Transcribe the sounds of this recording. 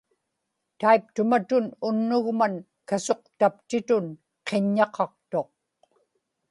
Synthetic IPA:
t̪aip̚t̪ʊmat̪ʊnʊnːʊɣman | kaso̞q̚t̪apt̪ɪt̪ʊn | qʰe̞ɲːɑqʰɑq̚t̪o̞q̚

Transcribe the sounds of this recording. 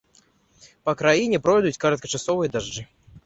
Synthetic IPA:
pɐkɾajinʲɛpɾɔjd̪ut͡sʲkɐɾɐt̪kɐt͡ʂasɔvɨjɐd̪aʐd͡ʐɨ

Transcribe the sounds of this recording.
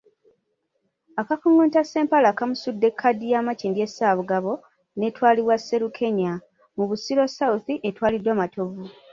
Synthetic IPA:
akafuŋɡuːntase̞ːmpalakamusudːe̞kʰːadːijaːmaciːndie̞saːβuɡaβo̞ | ne̞twaːliβwasːe̞ɾukʰe̞ɲa | muβusilo̞sauθiʔetwaːlidwaːmatʰo̞βu

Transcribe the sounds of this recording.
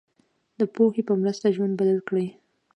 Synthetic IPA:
d̪əpoxepəmɾəst̪aʒwand̪bad̪alkɽəj

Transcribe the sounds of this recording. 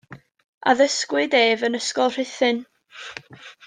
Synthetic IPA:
a̰ðəskwɪdeːvənəskɔlˠr̥ɪθɨn

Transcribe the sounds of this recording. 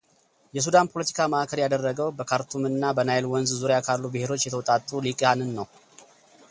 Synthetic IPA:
jɛs̬ud̪anpʰo̞lət̪ʰi̥kʰamaʔakʰəɾjad̪ərːəɡəwbəkʰaɾt̪ʰumɨnːabənajlwɔnzzuɾjakʰalːubɨhe̞ɾo̞t͡ʃːjɛt̪ʰəwt̪ʼat̪ʼːulikʼjanɨnːəw

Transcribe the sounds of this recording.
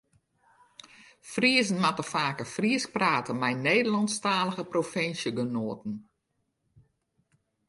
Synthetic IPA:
friəzən̩matəfaːkəfriəs̚praːtəmɛjneːdəlɑnstaːləɣəprofɪnsjəɡənoətən̩

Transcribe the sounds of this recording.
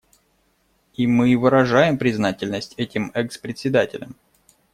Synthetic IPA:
imɨvɨɾɐʐajɪmpɾʲɪznatʲɪlʲnəsʲtʲɛtʲɪmɛkspɾʲɪt̪ʲsʲɪd̪atʲɪlʲəm

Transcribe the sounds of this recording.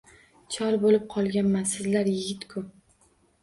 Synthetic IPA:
t͡ʃʰɒɾbolɪp̚qʰɒlˠɡʲanmansɪzlaɾjɪɡʲɪt̪kʰʊ

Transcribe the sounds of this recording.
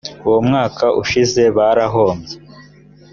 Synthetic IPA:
uwomŋaːkʰaʔuʃize̞βaɾaɦo̞ːmɟe

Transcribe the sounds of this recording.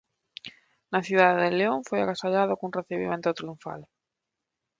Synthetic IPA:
naθjuðaðeðeleõɱfoja̰ɣasaʎaðokunreθiβḭment̪ot̪ɾiuɱfa̰l

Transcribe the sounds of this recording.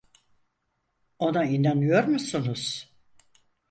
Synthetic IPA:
o̞nainanɯjo̞ɾmusunuz̥

